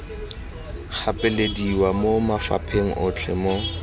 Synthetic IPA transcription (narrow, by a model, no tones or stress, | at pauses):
χʰapʼɪlediwamomafa̰pʰeŋ̩ʔʊt͡ɬʰɛ̰mo